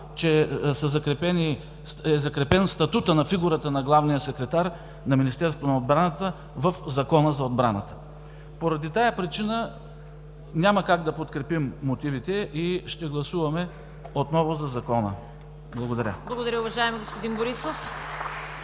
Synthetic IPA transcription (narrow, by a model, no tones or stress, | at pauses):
t͡ʃɛsɐzɐkɾɛpɛni | ɛzɐkɾɛpɛnst̪ɐt̪ut̪ənɐfiɡuɾət̪ənɐɡlˠavnijəsɛkɾɛt̪aɾ | nɐminist̪ɛɾst̪vonɐod̪bɾanət̪ə | vɐfzɐkɔnəzɐod̪bɾanət̪ə̥ | poɾɐd̪it̪ajɐpɾit͡ʃinə | nʲaməkaɡd̪ɐpot̪kɾɛpimːot̪ivit̪ɛʔiʃt̪ɛɡlˠɐsuvɐmɛ | ot̪nɔvʊzɐzɐkɔnə̰ | blˠɐɡod̪ɐɾʲə̰blˠɐɡod̪ɐɾʲəʊvɐʒaɛmiɡospod̪inboɾisof